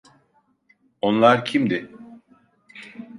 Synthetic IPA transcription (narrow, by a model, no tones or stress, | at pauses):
o̞nlˠaɾcʰimd̪ɪ